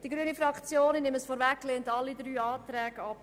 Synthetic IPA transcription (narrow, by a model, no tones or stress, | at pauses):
d̥iɡɾyənifɾɑkt͡sjoːnnɪməsfɔɾvækːlentɑlːidɾyːɑːtɾɛːɡɑp